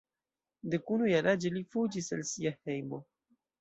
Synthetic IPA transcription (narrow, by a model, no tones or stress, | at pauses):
de̞kunujaɾad͡ʒelifud͡ʒisalsiahe̞jmo̞